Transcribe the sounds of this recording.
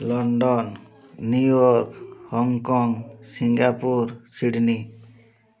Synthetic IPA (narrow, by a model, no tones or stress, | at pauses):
lɔnɖɔnː | ujɔɾkhɔŋkɔŋsiŋɡapuɾsiɽni